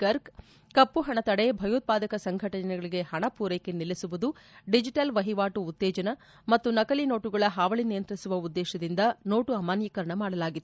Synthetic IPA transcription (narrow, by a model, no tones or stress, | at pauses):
kɐɾk | kɐpːuɦɐɳɐt̪ɐɽebʱɐjuːt̪̚paːd̪ɐkɐsɐŋɡʱɐʈɐnɛɡɐɭiɡe̞hɐɳɐpuːɾɐjkenilːisuʋud̪u | ɖid͡ʒiʈɐlʋɐɦiʋaːʈuːt̪ːeːd͡ʒɐnɐ | mɐt̪ːunɐkɐlino̞ːʈuɡɐɭɐɦaːʋɐɭinijɐnt̪ɾisuʋɐud̪ːɛːʃɐd̪ind̪ɐno̞ːʈuɐmaːnjiːkɐɾɐɳɐmaːɽɐlaːɡit̪ː